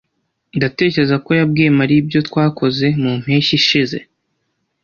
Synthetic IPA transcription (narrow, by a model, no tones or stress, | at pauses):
ndate̞ːceezako̞jab̚ɡeːmaɾiːbjo̞twaːkʰo̞ze̞mum̥heːʃiʃize̞̰